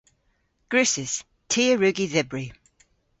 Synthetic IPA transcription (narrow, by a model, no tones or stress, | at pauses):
ɡ̥ɹʉˑsɪs | tʰiːəɹʉɡiðɪbɹi